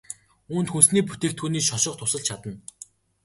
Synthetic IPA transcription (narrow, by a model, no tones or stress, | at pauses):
uːnt̪xunsniːpu̥t̪eːkt̪ɡuːniːʃɔʃɞ̆χt̪ʰʊsə̆ɮt͡ɕʰat̪ə̆n